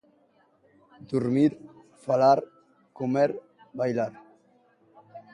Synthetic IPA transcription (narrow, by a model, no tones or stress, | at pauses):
d̪uɾmiɾ | falaɾ | kumeɾ | bajlaɾ